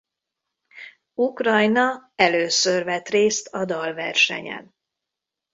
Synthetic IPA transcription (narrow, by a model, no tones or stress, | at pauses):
ukrɒjnɒɛløːsørvɛt̪reːst̪ɒd̪ɒlvɛrʃɛ̰ɲɛ̰n